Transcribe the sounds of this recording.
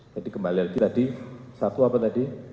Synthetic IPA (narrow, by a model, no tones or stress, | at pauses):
d͡ʒadikəmbaliark̪it̪adisat̪uapat̪adi